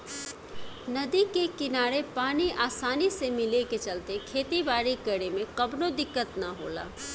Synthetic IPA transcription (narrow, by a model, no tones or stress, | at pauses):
nɐd̪ikekɪnaːɾepaːniʔaːsaːnisemɪleket͡ʃɐlt̪ekʰeːt̪ibaːɾikɐɽemẽqɐbnõd̪ɪkːət̪naɦo̰ːla̰ː